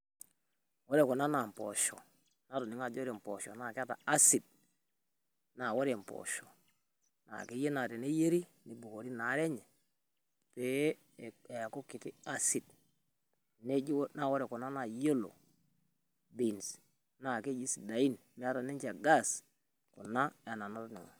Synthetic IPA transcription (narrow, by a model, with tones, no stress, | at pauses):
wo˦ɾe˨ko˨na˦na˨m˨pɔ̰˨ʃɔ̰˨ | na˦to˨ni˨˦ŋa˨d͡ʒo˦ɾe˨m˨pɔ˨ʃɔ˨na˨ke˦a˦ta̰˨a˦si˨d̚ | na˨wo˦ɾe˨m˨pɔ̰˨ʃɔ˨ | na̰˨ke˦je˦na˨ɾe˨ne˦je˦ɾi˦ni˨bu˨ko˨ɾi˦na˨˦ɾe˦ɲɛ˨ | pe˦˨ | e˨ko˦ki˨ti˦a˦si˨d | ne˦d͡ʒi˦wna˦˨wo˦ɾe˨ku˨na˦na˨jo˦lo̰˨ | bi˨ns | na˨ke˦d͡ʒi˦si˨da˨i˦n | me˦a˦ta˨ne˦t͡ʃa˨ɡa˦˨s | ku˨na˦e˨na˨na˦ɾo˦˨ni˨ŋo̰˨